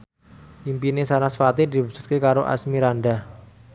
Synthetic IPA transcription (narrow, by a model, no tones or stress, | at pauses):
ʔimpinesanasfat̪id̪ibusu̥t̪̚kekaɾoʔa̰smiɾanɖa